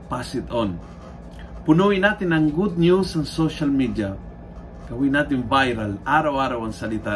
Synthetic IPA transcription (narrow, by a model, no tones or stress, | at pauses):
pasɪt̪ɔn | pʊnuwɪnaːt̪ɪnɐŋɡud̪̚njusɐŋsoʃalmid̪ja | kɐwinaːt̪̬ɪnvajɾalʔaːɾawaːɾawɐŋsɐlɪt̪a